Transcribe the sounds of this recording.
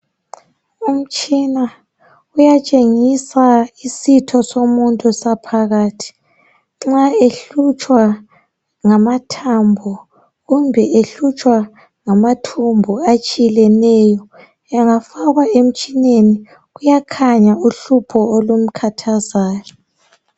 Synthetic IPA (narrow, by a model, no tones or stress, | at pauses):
um̩t͡ʃʼina | ujat͡ʃʼeŋisaisitʰɔsomuntʼusapʰaɣaːtʰi̥ | ŋ͡ǁaeɬut͡ʃʼwa | ŋamatʰambʱɔ | ɣumbʱɛʔeɬut͡ʃʼwa | ŋamatʰumbʱuat͡ʃʼilɛnɛjɔ | ɛŋafaɣwaem̩t͡ʃʼineni | ɣujakʰaɲauɬupʰɔolum̩kʰatʰazaːjɔ